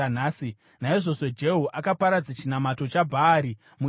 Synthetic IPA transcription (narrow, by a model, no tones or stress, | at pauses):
naːsi | naiʐo̞so̞d͡ʒe̞ɦuʔakapaɾad͡zat͡ʃinamato̞t͡ʃabʱaːɾi | mu